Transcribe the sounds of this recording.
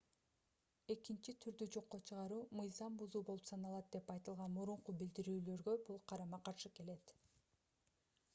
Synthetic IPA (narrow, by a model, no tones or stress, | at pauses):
e̞kint͡ʃit̪ʰyɾd̪yd͡ʒo̞qːot͡ʃʰɯʁɑɾuːmɯjzɑmbuzuːbolˠupsɑnɑlˠɑt̪̚d̪e̞pɑjt̪ɯlˠʁɑnmuɾuɴqubild̪iɾyːlø̞ɾɡø̞bulˠqʰɑɾɑmɑqɑɾʃɯke̞le̞t̪